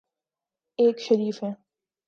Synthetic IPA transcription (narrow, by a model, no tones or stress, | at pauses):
eːkʃɐɾiːfɦɛ̃ː